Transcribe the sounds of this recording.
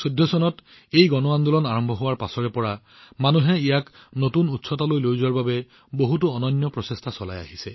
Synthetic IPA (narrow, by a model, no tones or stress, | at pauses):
sodʱːɔsɔnɔt | ejɡɔnɔand̪ulɔnaɹɔmbʱɔɦʊwaɹpasɔɹɛpɔɹa | manuɦɛijaknotunutsɔtalojlojzwaɹbabɛ | boɦut̬uɔnɔnjɔpɹɔsestʰasɔla̰ja̰ɦisɛ